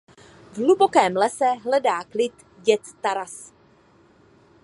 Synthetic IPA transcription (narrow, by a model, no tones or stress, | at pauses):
vɦlubokɛːmlɛsɛɦlɛdaːklɪt̪ | ɟɛt̪ːaɾas